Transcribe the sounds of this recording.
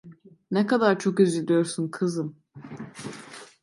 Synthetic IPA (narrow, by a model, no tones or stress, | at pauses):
nɛkad̪aɾt͡ʃʰo̞kyzilʲijo̞ɾsunkʰɯzɯm